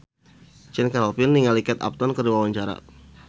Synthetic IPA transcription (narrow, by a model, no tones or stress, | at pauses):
t͡ʃɛnkalɔpɪnːiŋalikɛt̪a̰p̚t̪ɔnkərdiwawaɲt͡ʃaɾa̰